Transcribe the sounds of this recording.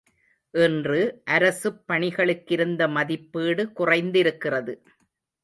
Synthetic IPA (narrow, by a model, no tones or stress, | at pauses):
ʔɛndrɯʔɐɾɐsɯpːɐɳɪɣɐɭɯkːɪɾɯnd̪ɐmɐðɪpːiːɽɯkʊrɐɪnd̪ɪɾɯkːɪrɐðɯ